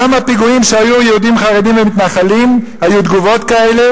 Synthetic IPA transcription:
amapiɡuimʃeajujeud̪imχaʁedimvemit̪naχalim | hajud̪ɡuvo̞t̪kaele̞

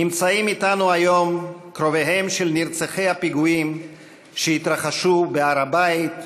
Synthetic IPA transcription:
nimt͡saimit̪anuajo̞mkɾo̞veɦe̞mʃelniɾt͡saχe̞jhapiɡuim | ʃehit̪ɾaχaʃubeaɾabait̪

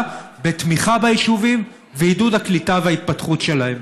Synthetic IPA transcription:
bet̪miχabajiʃuvim | veidudhaklitavehait̪̚patχutʃe̞lahem

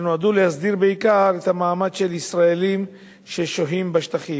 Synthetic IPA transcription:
nuad̪ulehasd̪iʁbeikaʁet̪hamaːmad̪ʃelisʁaelim | ʃeʃoɦimbaʃt̪aχi

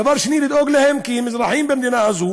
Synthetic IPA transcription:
avɑːɾˤʃniːlɪd̪ʔoːɡlɪhɪmkimːɪzɾɑħiːmbɪmd̪iːnaʔazuː

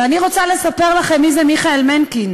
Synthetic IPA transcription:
aniʁo̞t͡sale̞sape̞ʁlaχe̞mːizemiχaelmenkin

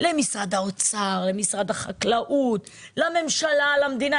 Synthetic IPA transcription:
lemisʁad̪aot͡saʁlemisʁad̪haχaklaʔutlame̞mʃalalamd̪ina

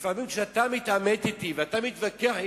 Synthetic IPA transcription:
famimkʃeat̪amit̪amet̪it̪iveat̪amit̪vakeaħ

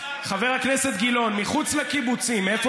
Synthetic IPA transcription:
χave̞ʁhakne̞se̞t̪̚ɡilo̞nmiχut͡slekibut͡simːefo

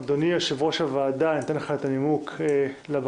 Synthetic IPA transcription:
d̪oniaʃevʁoʃavaːd̪anat̪enleχaet̪animukʰe | lab

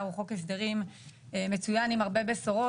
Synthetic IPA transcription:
uχo̞keʃd̪eʁim | eme̞t͡sujanimaʁbe̞besoʁo

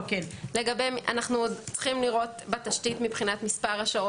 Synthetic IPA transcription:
kenle̞ɡabejmʔa̰naχnuodt͡sχimliʁo̞tbet̪aʃtitmipχinat̪mispaʁaʃao

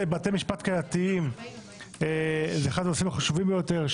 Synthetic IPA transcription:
bat̪emiʃpat̪kajat̪iim | ezeeχad̪osimaχaʃuvimbejot̪e̞ʁʃ

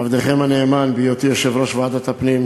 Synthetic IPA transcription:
avd̪eχemaneːmanbijot̪iaʃevɾoʃvead̪at̪apnim

